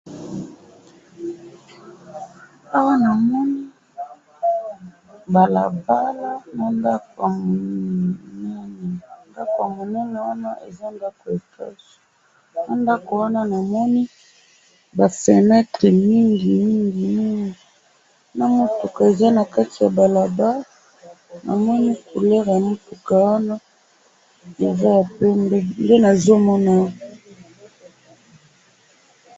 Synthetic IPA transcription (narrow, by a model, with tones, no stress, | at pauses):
a˦wa˦na˨mɔ˦ni˦ | ba˨la˨ba˦la˦na˨nda˦ko˨a˨mo˨ | nɛ˦nɛ˨nda˦ko˨a˨mo˨nɛ˦nɛ˨wa˦na˦ʔḛ˨za˦nda˦ko˨e˨tɛ̰˦so̥˨ | na˦nda˦ko˨wa˦na˦na˨mɔ˦ni˦ | ba˨fɛ˨nɛ˦te˨mi˦ŋɡi˨mi˦ŋɡi˨mi˦ŋɡi˨ | na˨mo˦tu˨ka˨e˨za˦na˨ka˦ti˨ja˨ba˨la˨ba˦ | na̰˨mɔ˦ni˦ku˨lɛ˦ʁja˨mo˦tu˨ka˨wa˦na˦ | e˨za˦˨pe˦nde˦na˨zo˦mɔ˦na˦